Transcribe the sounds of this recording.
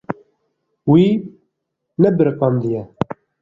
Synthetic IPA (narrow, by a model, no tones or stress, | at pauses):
wiː | nɛbɨɾqɑmd̪ijɛ